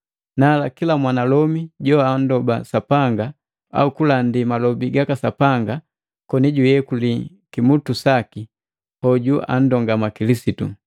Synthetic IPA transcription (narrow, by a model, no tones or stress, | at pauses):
naːlakilamwanalɔmiɟɔan̩dɔba̰sapaŋɡa | a̰ukulandimalɔbiɡakasapaŋɡa | kɔniɟujɛkuli | kimutusaki | hɔɟuʔa̰n̩dɔŋɡamakilisitu